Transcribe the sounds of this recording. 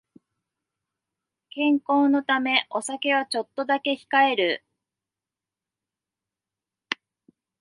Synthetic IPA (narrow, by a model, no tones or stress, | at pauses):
kẽ̞ŋko̞ːno̞t̪ame̞ʔo̞sake̞β̞at͡ɕo̞t̪ːo̞d̪ake̞çi̥kae̞ɾɯ̟